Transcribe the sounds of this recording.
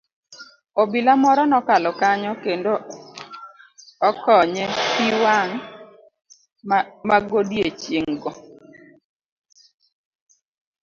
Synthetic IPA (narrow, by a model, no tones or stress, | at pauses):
obilamɔɾɔnɔkalɔkaɲɔkendo | ɔkɔɲɛpiwaŋ | maɡodjet͡ʃeŋɡɔ